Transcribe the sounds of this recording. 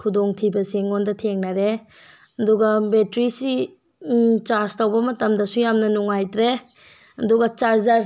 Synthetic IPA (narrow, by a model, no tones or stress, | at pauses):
kʰudoŋtʰibɐseŋondɐtʰeŋnaɾe | ɐduɡɐbetɾisi | t͡ʃaɾstɐwbɐmɐtɐmdɐsujamnɐnuŋajtɾe | ɐduɡɐt͡ʃaɾzaɾ